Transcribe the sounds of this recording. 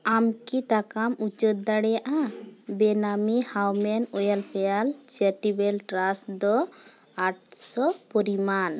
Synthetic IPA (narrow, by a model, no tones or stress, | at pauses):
amkiʈakamut͡ʃət̪̚d̪aɽɛjaʔabɛnamihawmɛnɔjalpɛjalt͡ʃeɾʈibɛlʈɾasd̪ɔ | aʈ̚sɔpɔɾiman